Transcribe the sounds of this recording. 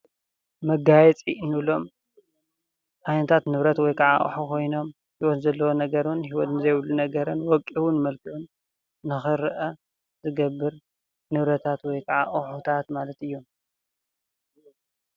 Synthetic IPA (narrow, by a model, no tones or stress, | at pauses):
mɐɡajɛt͡sʼinɨβlo̞m | ʔajnɐt̪ʰat̪nɨβɾɐt̪wɔjkʰɐʕa̰ʔṵħukʰo̞jno̞m | hiwɔt̪zɐlːɐwonɐɡɐɾnhiwɔt̪nɨzɐjβlːunɐɡɐɾɨnwɔkʼiwunmɐlkʰiʕunː | ɨxɨɾɨʔɐ | zɨɡɐbːɨɾ | nɨβɾɐt̪ʰat̪wɔjkʰɐʕa̰ʔħut̪ʰat̪malɐt̪ɨjːum